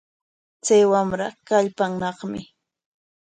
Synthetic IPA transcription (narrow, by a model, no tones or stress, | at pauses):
t͡sajwamɾakaʎpaŋnɑχmɪ